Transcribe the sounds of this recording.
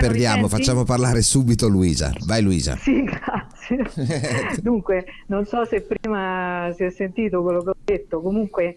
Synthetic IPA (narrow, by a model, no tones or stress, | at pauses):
pperd̪jaːmofat͡ʃːaːmoparlaːɾesuːbit̪oluiːza̰vajluiːza̰siɡɾat̪sje | d̪uŋkwenonsɔsepːɾiːmasiɛsːent̪iːt̪okwelːokeɔd̪et̪ːokomuŋkwe